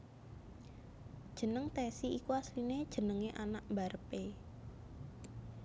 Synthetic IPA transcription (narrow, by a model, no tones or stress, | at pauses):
d̥ʒ̥ə̤nəŋt̪ɛsiikuaslined̥ʒ̥ə̤nəŋeʔanaʔmbaɾəpe